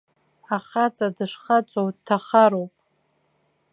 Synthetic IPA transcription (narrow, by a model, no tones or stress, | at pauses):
aχat͡sʼadɨʂχat͡ʃʷʼowdtʰaχaɾowpʼ